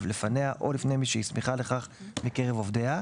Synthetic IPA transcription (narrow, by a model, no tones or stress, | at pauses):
vle̞faneaʔo̞lifnejmiʃeismiχale̞χaχmike̞ʁevo̞vdea